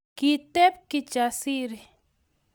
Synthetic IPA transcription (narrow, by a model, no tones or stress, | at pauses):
kit̪ep̚kit͡ʃasiɾi